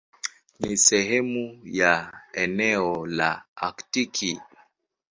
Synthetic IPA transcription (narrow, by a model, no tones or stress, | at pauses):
nisɛɦɛmujaɛnɛɔla̰aktikʰi